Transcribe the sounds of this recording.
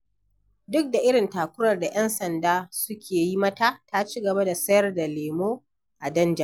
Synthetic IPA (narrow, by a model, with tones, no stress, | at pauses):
dʊ˦k̚da˨ʔɪ˦ɽɪ˨ntaː˨kʷʊ˦ɾɐ˨rda˨j̰ɛ˦nsɐ˨ndaː˦sʊ˦kʲʰeː˨ji˦mɐ˦taː˦ta˦t͡ʃi˦ɡɐ˨ba˦da˨sɐ˦jɐ˦rda˨leː˨moː˦ | ʔa˨dɐ˦nd͡ʒa˨